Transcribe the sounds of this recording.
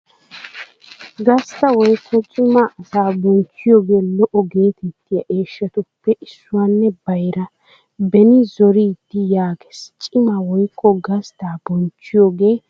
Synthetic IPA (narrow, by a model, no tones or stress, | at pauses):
ɡɐst̪ɐwɔjkːɔt͡ʃʼɪmaʔɐsaːbɔnt͡ʃːɪjoːɡe̞ːlɔʔɔɡe̞ːt̪ɛt̪ːɪjɐʔe̞ːʃːɐt̪ʊpːɛʔɪsːʊwaːnːɛbɐjɾɐ | bɛnɪzɔɾiːd̪̥ːɪjaːɡɛ̥st͡ʃʼɪmawɔjkʰːɔɡɐst̪aːbɔnt͡ʃːɪjoːɡe̞ː